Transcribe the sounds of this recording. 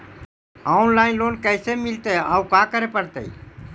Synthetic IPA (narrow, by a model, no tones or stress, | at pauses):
aːnlaːɪnloːnkəːsemɪlt̪eːaːukaːkəɾeːpəɾt̪ḛḭː